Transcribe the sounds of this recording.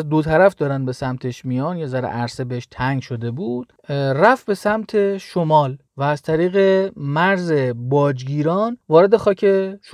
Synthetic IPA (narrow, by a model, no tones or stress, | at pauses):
d̪ot̪ʰæɾæfd̪ɒːɾænd̪̚be̞sæmt̪ʰeʃmijɒːnjezæɾḛʔæɾsebeeʃt̪ʰæŋɡʃo̞d̪e̞buːd̪̥ | ræfbe̞sæmt̪ʰe̞ʃomɒːl | væːzt̪ʰæɾiːɣe̞mæɾze̞bɒːd͡ʒɡiːɾɒːnvɒːɾe̞d̪e̞xɒːcʰe̞ʃ